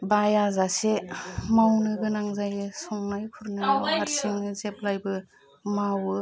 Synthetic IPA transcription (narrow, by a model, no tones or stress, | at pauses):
bajazasemawnɯɡɯnaŋzajɯsɔŋnajkʰuɾnɯhaɾsiŋnɯzep̚lajbɯ | mawɯ